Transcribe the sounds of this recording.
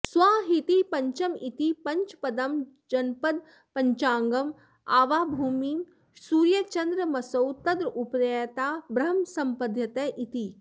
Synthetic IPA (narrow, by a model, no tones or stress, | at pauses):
sʋaːɦit̪ipɐɲt͡ʃɐmit̪ipɐɲt͡ʃpɐd̪ɐm | d͡ʒɐnpɐd̪̚ | pɐɲt͡ʃaːŋɡɐm | aːʋaːbʱuːmiːn | suːɾjɐt͡ʃɐnd̪ɾɐmɐsɐwt̪ɐd̪ɾupɾet̪aːbɾɐɦɐmsɐmpɐd̪ʱjɐt̪ɐːʔit̪i